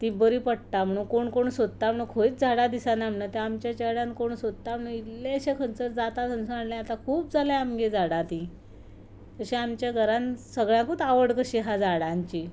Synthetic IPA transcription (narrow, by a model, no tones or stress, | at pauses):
t̪ĩbəɾiːpəɽt̪am̤əɽ̃uːnkoɳkoɳsod̪̚t̪am̤əɽũːnkʰoit͡sd͡zʱaɽad̪isãnam̤nat̪eamt͡ɕjat͡ɕeɽãnkoɳsod̪̚ət̪am̤əɽunit̪leəɕekʰənt͡səɾd͡zat̪at̪ənsəaɳlẽat̪ãkʰuːp̚d͡zaleamɡed͡zaɽãt̪ĩ | k̪əɕeamt͡ɕjaɡʱəɾãnsəɡɭjãkut̪aʋəɽkəɕiɦad͡zaɽãɲt͡ɕi